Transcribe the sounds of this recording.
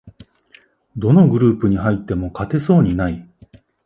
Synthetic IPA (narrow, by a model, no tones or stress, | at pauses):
d̪o̞no̞ɡɯ̟ɾɯ̟ːpɯ̟ɲ̟iɦait̪ːe̞mo̞kat̪e̞so̞ːɲ̟inai